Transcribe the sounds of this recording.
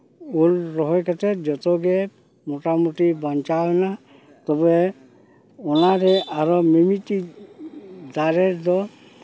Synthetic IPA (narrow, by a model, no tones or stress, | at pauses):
ulɾɔɦɔjkat̪ɛd͡ʒɔt̪ɔɡɛ | mɔʈamuʈibɔnt͡ʃawna | t̪ɔbɛ | ɔnaɾɛʔaɾɔmemiti | d̪aɾɛɾd̪ɔ